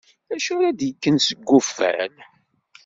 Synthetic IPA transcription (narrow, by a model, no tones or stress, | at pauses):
æʃʊɾæd̪jəkːənsəɡːʊfːæ̰l